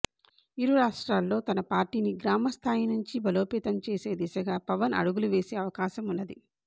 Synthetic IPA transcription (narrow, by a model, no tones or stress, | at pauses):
iɾuɾaːʂʈɾaːlːo̞ːt̪ɐnɐpaːɾʈiːniɡɾaːmɐst̪ʰaːjinuɲt͡ʃibɐlo̞ːpɛːt̪ɐmt͡ʃe̞ːse̞ːd̪isɐɡaːpɐʋɐnɐ̰ɽuɡuluʋe̞ːse̞ːɐʋɐkaːʃɐmunːɐd̪i